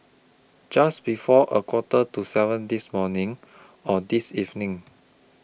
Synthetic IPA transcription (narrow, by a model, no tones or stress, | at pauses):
d͡ʒasbifɔʔəkʰwɔtətusɛvə̃ndismɔnĩŋ | ɔdisivnɪ̃ŋ